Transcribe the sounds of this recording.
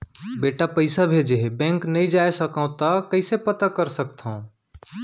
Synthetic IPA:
beːʈapəɪsabʱed͡ʒebɛ̃ŋknəĩd͡ʒaːesəkãt̪akəɪsepət̪akəɾsək̚t̪ʰã

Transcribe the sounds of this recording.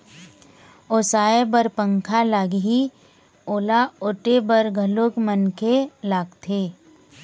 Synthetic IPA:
oːsaːebəɾpə̃ŋkʰalaːɡɦi | oːlaʊʈebəɾɡʱəlokmənkʰelaːɡt̪ʰeː

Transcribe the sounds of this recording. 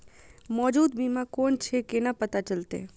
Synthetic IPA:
mɔd͡ʒud̪bimãkɔnt͡ʃʰekenãpət̪at͡ʃəlt̪ḛ

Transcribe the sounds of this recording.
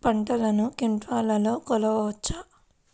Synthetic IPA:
pɐɳʈɐlɐnukiɳʈʋaːlɐlo̞ːkɔlɐʋɐʋɐt͡ʃːa

